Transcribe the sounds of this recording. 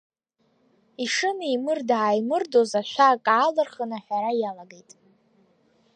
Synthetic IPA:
iʂɨnimɨrdaːjmɨrdozaʃʷᶣakʼaːlɨrχənaħᶣaɾajalaɡejtʼ

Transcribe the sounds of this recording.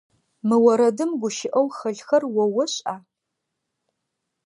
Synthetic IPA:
mɨwɐɾɐdɨmɡʷʊʃɪʔɐwχɐɮxɐrwɔwɐɕʼaː

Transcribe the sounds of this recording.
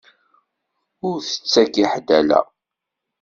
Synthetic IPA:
ʊɾθə̥t͡sːækiħd̪ælæ̰

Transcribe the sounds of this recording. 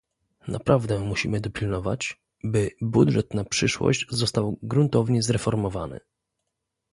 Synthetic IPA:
nʔa̰pɾavd̪ɛmuɕḭmɘd̪ɔpʲilnɔvat͡ɕ | bɘbud̪ʐɛt̪napʂɘʂwɔ̰ɕd͡ʑzɔst̪awɡɾunt̪ɔvɲɛzɾɛfɔɾmɔvanɘ̰

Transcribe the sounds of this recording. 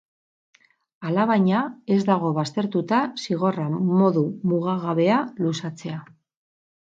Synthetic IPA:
alaβajɲae̞zd̪aɣ̞o̞βast̪e̞ɾt̪ut̪asiɣ̞o̞ramo̞ðumuɣaɣaβe̞alusat͡se̞a

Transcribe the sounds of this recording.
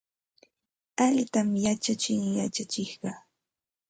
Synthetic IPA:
aʎt̪amjat͡ʃat͡ʃɪŋjat͡ʃat͡ʃɪhɢɑː

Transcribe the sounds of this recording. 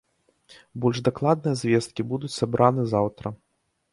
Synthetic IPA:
bɔlʲʐd̪aklˠad̪̚nɨjɐzʲvʲɛst̪̚kʲibud̪ut͡sʲsabɾʔanɨzawt̪ɾɐ

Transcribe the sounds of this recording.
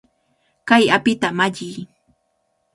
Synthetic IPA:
kajapɪt̪amaʎɪj

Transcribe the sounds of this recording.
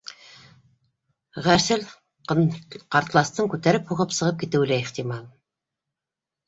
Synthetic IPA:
ʁæɾsɘl | qɑɾt̪lˠɑst̪ɤŋkʉt̪æɾɘphuʁɤpsɤ̆ʁɤp̚kit̪ɘ̆wlæiχt̪imɑlˠ

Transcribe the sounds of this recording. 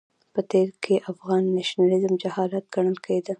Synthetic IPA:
pət̪eɾkʰeʔafɣɑnːaʃnalɪzəmd͡ʒahɑlat̪̚ɡ̥aɳ̃əlkʰəed̪ə

